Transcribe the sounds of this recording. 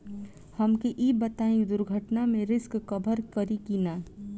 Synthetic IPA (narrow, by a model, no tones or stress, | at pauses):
həmkeʔiːbət̪aːĩd̪ʊɾɡʱəʈnamẽɾɪskːəbʱəɾkəɾikina